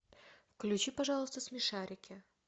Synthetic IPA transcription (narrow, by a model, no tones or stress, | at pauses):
fklʲʉt͡ɕipaʐɑlˠəst̪əsmʲɪʂaɾʲɪkʲɪ